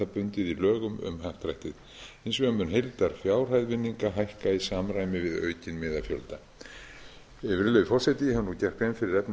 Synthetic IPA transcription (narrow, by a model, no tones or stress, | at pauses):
apʏnt̪ɪðilœːɣʏmʏ̰mhaft̪ɾajht̪ɪð | ejnsvʏamːʏnɦejlt̪aɾ̥fjaːwr̥ajðvɪnːiŋkaɦajhkaisaːmraːjmɪvɪðœ̰ːɥcɪnmɪːðafjœ̰lt̪a | ɛvɪɾlœːvɪfɔr̥sɛjt̪ɪhɛvnucɛr̥kfɪmfɪɾɪɾɛpn